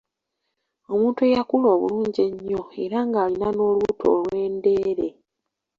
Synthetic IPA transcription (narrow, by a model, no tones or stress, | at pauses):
o̞muːntuejakulo̞ːβṵluːɲɟeɲːo̞e̞ɾaŋɡaːlinano̞ːlwutʰo̞̰ːlwe̞ːnde̞ːɾe̞